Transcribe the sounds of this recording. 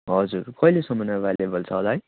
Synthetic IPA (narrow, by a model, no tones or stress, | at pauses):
ɦʌd͡zurkʌilesʌmʌnabalebʱʌlt͡sʰʌːlaj